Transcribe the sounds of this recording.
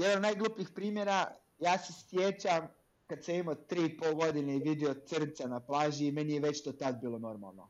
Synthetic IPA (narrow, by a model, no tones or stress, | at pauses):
jɛd̪anod̪najɡlˠupixpɾiːmjeɾa | jaːsesjet͡ɕam | kad̪samimot̪ɾiːipolˠɡo̞d̪ineiʋid̪eot̪sr̩nt̪sanaplˠaːʒiːme̞nijeʋe̞t͡ɕt̪oːt̪ad̪̚biːlˠo̞no̞ɾma̰lˠno̰